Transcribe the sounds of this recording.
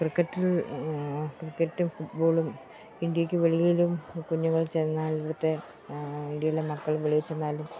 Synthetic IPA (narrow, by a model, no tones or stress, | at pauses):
krɨkːɐtːil | krikːɐtːumfuʈboːɭum | iɳɖijɐkʲːɨʋeɭijilumkuɲːuɣɐɭt͡ɕejnnːaːlɐɽut̪ːe | iɳɖjɐilemɐkːɐɭʋeɭijet͡ɕːenːaːlum